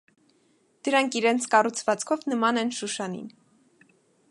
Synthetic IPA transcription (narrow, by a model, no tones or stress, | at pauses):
d̪̥əɾɑŋkʰiɾɛnt͡sʰkɑrut͡sʰvɑt͡skʰɔvnəmɑnɛnʃuʃɑnḭn